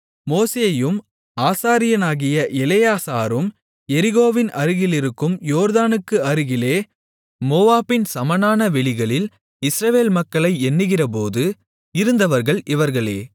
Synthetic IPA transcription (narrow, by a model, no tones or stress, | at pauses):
moːseːɐjɯm | aːsaːɾɪjɐnaːɣɪjɐʔɛlɐjaːsa̰ːɾɯm | ɛɾɪɣoːʋɪnʔɐɾɯɣɪlɪɾɯkːɯmjoːɾðaːnɯkːɯɐɾɯɣɪleː | moːaːbɪnsɐmɐnaːnɐʋɛɭɪɣɐɭɪl | ɪsɾɐʋeːlmɐkːɐɭɐɪɛnːɯɣɪrɐp̬oːðɯ | ɪɾɯnd̪ɐʋɐɾɣɐɭʔɪʋɐɾɣɐɭḛː